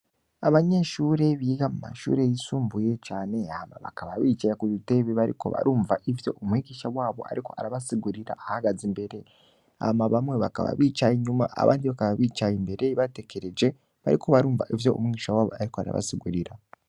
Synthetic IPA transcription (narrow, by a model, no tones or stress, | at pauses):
aβaɲe̞ʃuːɾe̞βiːɡamuma̰ʃṵːɾejisuːmbuje̞t͡ʃaːne̞ama̰βa̰kaβaβiːt͡ʃajakuziteβiβaɾḭko̞̰βa̰ɾuːɱvaʔivjo̞̰ʔomwiːɡiʃawaːβo̞̰a̰ɾiko̞̰aɾaβasiɡuɾiɾa̰ʔahaɡazimbe̞ɾe̞ | a̰maβamweβaka̰βa̰βiːt͡ʃajiɲumaʔa̰βa̰ːndiβakaβaβiːt͡ʃajimbe̞ɾeβatekeɾed͡ʒe̞ | βaɾiko̞βaɾuːɱva̰ʔivjo̞ṵmwiɡiːʃawaːβo̞̰aɾikoaɾa̰βa̰siɡuɾiɾa